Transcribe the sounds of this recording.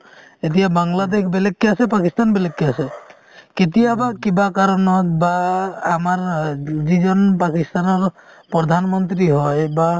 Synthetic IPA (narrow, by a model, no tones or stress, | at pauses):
et̪̬ijabaŋlad̪ekʰbelekːiasepakist̪anbelekːiase | ket̪̬iabakibakaɾɔnɔt̪baːmaɾd͡ʒid͡ʒɔnpakist̪anɔɾ | pɾɔd̪ʱanmɔnt̪ɾiɦɔjba